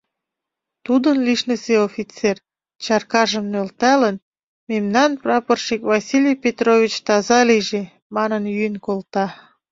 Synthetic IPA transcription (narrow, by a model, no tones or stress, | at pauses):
t̪ud̪ənliʃnəseofʲit͡ser | t͡ɕɑrkɑʒəmnølt̪ælən | memnɑnprɑpərʃikvɑsʲilʲejpʲet̪rovʲit͡ɕt̪ɑzɑliʒe | mɑnənjyənkolt̪ɑ